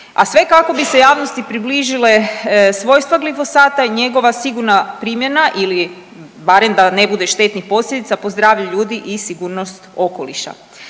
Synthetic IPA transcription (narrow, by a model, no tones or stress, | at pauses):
a̰sʋe̞kako̞bise̞jaːʋnost̪ipɾibliʒile̞sʋo̞ːjst̪ʋaɡlifo̞saːt̪aɲe̞ɡo̞ʋasiɡuɾnapɾiːmje̞naʔili | baɾe̞md̪anebud̪e̞ʃt̪e̞t̪nixpo̞slʎʲed̪it̪sapozd̪ɾaːʋʎaʎuːd̪iʔisiɡuːɾnost̪o̞ko̞liʃa̰